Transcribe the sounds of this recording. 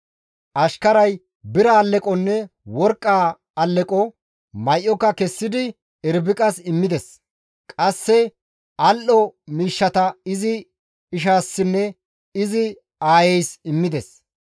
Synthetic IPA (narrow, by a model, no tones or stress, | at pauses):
ʔɐʃkɐɾɐj | bɪɾɐːlːɛkʼɔnːɛwɔɾkʼːaː | ɐlːɛkʼɔ | mɐjʔːɔkːɐkɛsːɪd̪ɪ | ɛɾbɪkʼɐsɪmːɪd̪ɛs | kʼɐsːɛ | ɐlʔɔmiːʃːɐt̪ɐɪzɪ | ɪʃaːsːɪnːɛ | ɪzɪ | aːjɛjsɪmːɪd̪ɛs